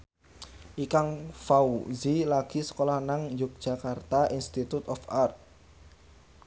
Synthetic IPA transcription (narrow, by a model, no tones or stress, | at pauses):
ʔikaŋfauzilaɡ̥i̤sə̥kolahnaŋjʊk̚d̥ʒ̥a̤kart̪aʔinst̪it̪ut̪ɔfart̪̚